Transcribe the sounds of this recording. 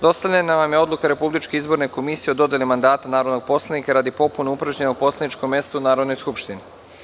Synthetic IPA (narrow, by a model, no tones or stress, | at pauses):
d̪o̞st̪aʋʎʲanaʋamjeo̞d̪lukaɾe̞publit͡ʃkeizbo̞ɾneko̞misijeod̪o̞d̪jelimand̪aːt̪anaːɾo̞d̪no̞ɡ̥̚po̞slˠanikaɾaːd̪ipo̞punoupɾaʒɲenaupo̞slˠanit͡ʃko̞mːe̞st̪uunaːɾod̪no̞jskupʃt̪ini